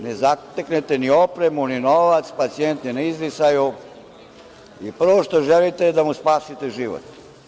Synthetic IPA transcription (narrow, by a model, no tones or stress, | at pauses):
nezat̪eknet̪enio̞pɾemuninoʋat̪spat̪sient̪ninaizɾisaju | ipr̩ʋoʃt̪oʒelit̪ed̪amuspaːsit̪eʒiʋo̰t̪